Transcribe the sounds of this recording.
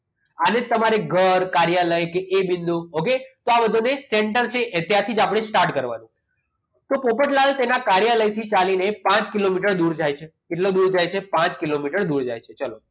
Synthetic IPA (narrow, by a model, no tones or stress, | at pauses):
ənet̪əmaɾeɡʱəɾkaɾjaləjkeʔebind̪uoket̪oabəd̪ʱuneseɳʈəɾt͡ʃʰeʔt̪jãt̪ʰid͡ʒapɽ̃esʈaɾʈkəɾʋa̰nũ | t̪opopəʈlalt̪enakaɾijaləjt̪ʰit͡ʃalinepãt͡ʃkilomiʈəɾd̪uɾd͡ʒajt͡ʃʰekeʈlod̪uɾd͡ʒajt͡ʃʰepãt͡ʃkilomiʈəɾd̪uɾd͡ʒa̰jt͡ʃʰet͡ʃalo̰